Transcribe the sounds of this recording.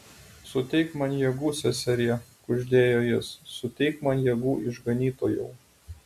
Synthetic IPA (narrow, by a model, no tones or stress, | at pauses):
sʊt̪ʲɛɪkmɐnjɛɡuːsʲɛsʲɛɾʲɪɛkʊʒʲd̪ʲeːjoːjɪsːʊt̪ʲɛɪkmɐnjɛɡuːʔɪʒɡɐnʲiːt̪oːjɛʊ